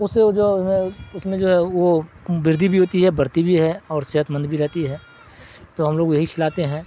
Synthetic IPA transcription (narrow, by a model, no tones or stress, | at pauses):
ʊsed͡ʒoːʊsmẽʊsmẽd͡ʒoːɦɛʋo | bɪɾd̪ʱibʱiɦoːt̪iɦɛbɐɾt̪ibʱiɦɛɔːɾsɛɦət̪mə̃nd̪bʱiɾɛɦt̪iɦɛː | t̪oɦɐmloːɡjɐɦikʰɪlaːt̪eɦɛ̃ː